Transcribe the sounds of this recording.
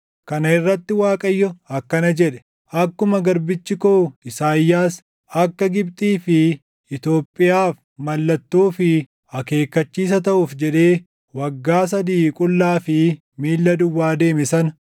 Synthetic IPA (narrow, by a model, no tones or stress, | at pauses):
kɐnɐɪrːɐt̪ːɪwaːkʼɐjːɔɐkːɐnɐd͡ʒɛᶑɛ̥ | ʔɐkːʊmɐɡɐɾbɪt͡ʃːɪkoːɪsaːjːaːs | ɐkːɐɡɪbt̪ʼiːfɪ | ɪt̪o̞ːpʼːɪjaːf | mɐlːɐt̪ːuːfɪ | ɐke̞ːkːɐt͡ʃːiːs̬ɐt̪ɐʔʊfd͡ʒɛᶑe̞ː | wɐɡːaːs̬ɐd̪iːkʼʊlːaːfɪ | miːlːɐd̪ʊwːaːd̪e̞ːmɪsɐn